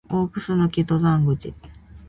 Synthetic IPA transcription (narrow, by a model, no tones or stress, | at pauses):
oːkɯ̟sɨnokʲit̪ozãŋɡɯ̟t͡ɕḭ